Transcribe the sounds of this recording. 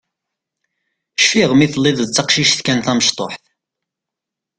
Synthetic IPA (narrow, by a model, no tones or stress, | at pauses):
ʃfiʁmiθlːɪðˤt͡sːɑqʃiʃθkænθæməʃt̪ˤo̰ħθ